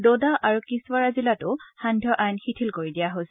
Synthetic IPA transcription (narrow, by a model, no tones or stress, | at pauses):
dodaʔaɹukiswaɹazilatʊhãndʱɔʔajnxitʰilkoɹidijaɦosɛ